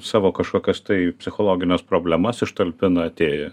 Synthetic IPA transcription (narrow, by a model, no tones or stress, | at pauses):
sɑːʋoːkɐʃkoːkʲɛst̪ɐɪpʲsʲɪxoːlˠoːɡʲɪnʲɛspɾoːbʲlʲɛmɐsɪʃt̪ɐlʲpʲɪnɐɐt̪ʲeːjɛ